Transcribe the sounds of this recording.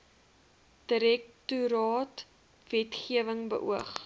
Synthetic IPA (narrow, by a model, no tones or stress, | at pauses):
d̥əɾɛk̚tuɾɑːt | vɛtχiəvəŋbə̰ʔṵəχ